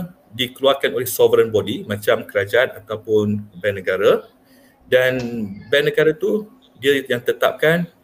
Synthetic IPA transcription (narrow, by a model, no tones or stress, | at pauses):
dikəluarkanolɛhsɔvəɾənbodimãt͡ʃamkəɾad͡ʒaanat̪awpʊnbɛnːəɡaɾa | danbɛnːə̃ɡaɾat̪u | diaijaŋt̪ət̪ap̚kan